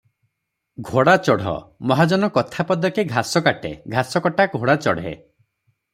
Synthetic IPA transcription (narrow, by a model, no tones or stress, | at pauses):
ɡʱoɽat͡ʃɔɽ̤ɔ̰mɔɦad͡ʒɔnɔkɔt̪ʰapɔd̪ɔkeɡʱasɔkaʈḛɡʱasɔkɔʈaɡʱoɽat͡ʃɔɽ̤ḛ